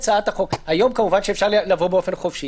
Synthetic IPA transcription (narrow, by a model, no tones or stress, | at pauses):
t͡saat̪aχo̞khajo̞mkamuvanʃeːfʃaʁllavo̞beofe̞nχofʃi